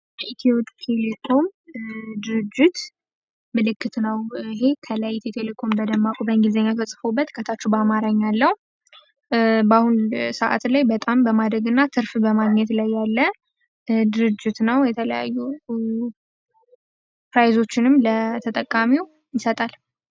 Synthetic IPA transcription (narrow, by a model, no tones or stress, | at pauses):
jəʔit̪ʰiotʼt̪ʰe̞lekʰo̞m | d̪ɨɾɨd͡ʒːɪt̪ | mɨlɨkːɨt̪nəwɪɦe̞kʰəlajt̪ʰet̪ʰelekʰo̞mbəd̪əmːakʼubəŋɡizəɲːat̪ʰəsʼɨfobːət̪ɨkʰət̪ʰat͡ʃːɛbamaɾaɲːalːəhu | bahunsəʔa̰t̪lajbət̪ʼambəmad̪ɾəɡɨnːat̪ʰɨɾfbəmaɡɲɛt̪lajːalːə | d̪ɨɾɨd͡ʒːɪt̪nəwjɛt̪ʰələja̰jːu | pɾajzo̞t͡ʃːɪnɨmlət̪ʰət̪ʼəkʼːamiw | jɪsət̪ʼal